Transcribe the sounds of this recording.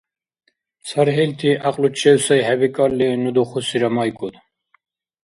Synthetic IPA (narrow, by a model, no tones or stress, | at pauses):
saɾɦɛlt̪ʰiʔaqʼlut͡ʃʰʼɛwsɔjɦɛbikʼalːinud̪uχusiɾamajkʼud̪